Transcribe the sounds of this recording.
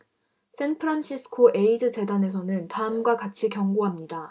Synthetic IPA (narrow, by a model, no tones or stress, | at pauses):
s͈ʰenpʰɯɾanɕʰisʰɯ̥kʰoʔe̞id͡ʑɯt͡ɕe̞dane̞s̬ʰʌnɯntaɯmɡwakat͡ɕʰikjʌŋɡoɦamɲida